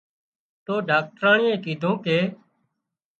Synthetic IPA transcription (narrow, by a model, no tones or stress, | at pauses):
t̪oːɖaːk̚ʈɾaːɳɪjẽːkiːd̪ʱõːkeː